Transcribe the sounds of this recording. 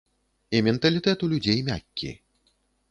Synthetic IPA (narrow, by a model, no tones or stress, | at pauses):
imʲɛnt̪ɐlʲit̪ɛt̪ulʲud͡zʲejmʲa̰kʲːḭ